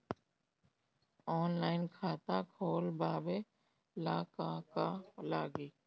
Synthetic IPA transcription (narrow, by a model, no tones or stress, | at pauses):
ɔːnlaːɪnkʰaːt̪aːkʰoːlbaːbe | laːkaːkaːlaːɡiː